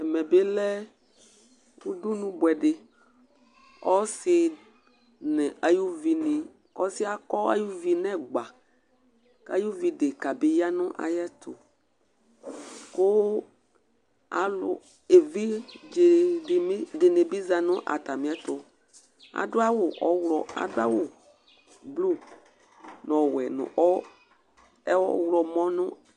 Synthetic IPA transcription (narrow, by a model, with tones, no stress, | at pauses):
ɛ˨mẽ˨be˦lɛ˦ | wwu˦du˦nũ˦bwɛ˨ɖe˨ | ɔ˦si˨ | nɛ̃˨ʔa˨ju˦vi˨nĩ˨ | kɔ˦si˦a˨kɔ˦a̰˦ju˦vi˨nɛ̃˦˨ɡ͡ba˨ | ka̰˦ju˦vi˨ɖe˨ka˨be˦ja˦nũ˦ʔa̰˨jɛ˦t̪ʰo̰˨ | kʊ˦ | a˨lʊ̰˨ | e˨vi˦d͡ʒe˨˦ | de˨ne˨bi˦za˨nʊ˦ʔa̰˨ta˨mĩ˨˦ɛ˦tʊ˨ | a̰˨dʊ˦a˦wʊ˨ʔɔ˨˦wlɔ˨a̰˨dʊ˦a̰˦wʊ˨ | blu˦˨ | n˨ɔ˨wɛ˨nʊ̰˨ʔɔ˦ | ɛ˦ɔ˦wlɔ˨mɔ̃˦nʊ˦